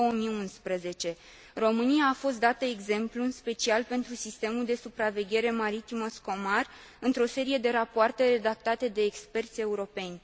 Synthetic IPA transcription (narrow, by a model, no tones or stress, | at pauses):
oomiunspɾəze̞t͡ʃe̞ | ro̞mɨnijaːfo̞st̪̚d̪at̪əe̞ɡze̞mpluɨnspe̞t͡ʃialpe̞nt̪ɾusist̪e̞muld̪e̞supɾave̞ɡʲe̞ɾe̞maɾit̪iməsko̞mar | ɨnt̪ɾo̞se̞ɾije̞d̪e̞ɾapoart̪e̞re̞d̪ak̚t̪at̪e̞d̪e̞ːkspe̞rt̪sʲe̞uɾo̞pe̞nʲ